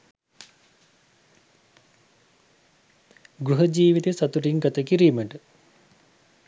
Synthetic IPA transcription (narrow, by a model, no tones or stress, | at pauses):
ɡɾuɦəd͡ʒiːʋit̪esat̪uɾiŋɡat̪əkiɾiməʈə